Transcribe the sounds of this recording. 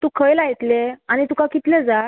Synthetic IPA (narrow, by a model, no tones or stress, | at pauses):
t̪ũkʰəjlajt̪leañit̪ukakit̪led͡za